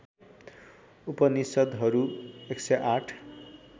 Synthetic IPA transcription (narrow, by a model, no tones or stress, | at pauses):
upʌnisʌd̪ɦʌɾueksʌʔaʈʰ